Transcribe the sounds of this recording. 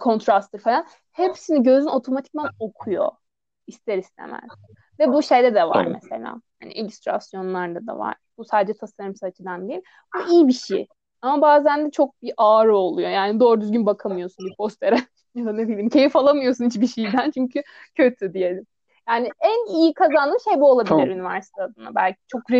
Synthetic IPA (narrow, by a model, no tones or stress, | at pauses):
kʰo̞nt̪ɾast̪ʰɯɾfelˠan | hepsiniɟø̞zyno̞t̪ʰo̞mat̪ʰi̥c̚dæno̞kʰujo̞̰ | ist̪ʰeɾist̪ʰḛmæ̰z̥ | vɛbuʃe̞jd̪ɛd̪ɛva̰ɾmḛse̞̰lʲa̰ːhaniʔelʲyst̪ɾa̰sjo̞nlˠaɾd̪ad̪a̰va̰ɾ̥b̥usaːd̪ed͡ʒɛt̪ʰasaɾɯmsat͡ʃʰɯd̪and̪ejil | buijibiʃḛj | amabaːzænd̪ɛt͡ʃʰo̞k̚biʔaːɾɯo̞lˠujo̞jaːnid̪o̞ːɾd̪yzɟynbakʰamɯjo̞sunbipʰo̞st̪ʰeɾɛ | jad̪anebilʲimcʰe̞jifalˠamɯjo̞sunit͡ʃbiʃijd̪ænt͡ʃʰyɲcʰy | cʰø̞t̪ʰyd̪ije̞lʲɪm | jaːnɪænijikʰazanɯʃe̞jbuolˠabilʲiɾynivæɾsi̥t̪ʰead̪ɯnabælʲcʰi̥t͡ʃʰokɾe